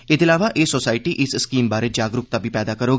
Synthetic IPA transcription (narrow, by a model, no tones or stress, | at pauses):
ɪt̪ɪlaːʋaʔeːsoːsaːɪʈiʔɪsskiːmbaːɾed͡ʒaːɡɾʊk̚t̪abʱipɛːd̪akɐɾoː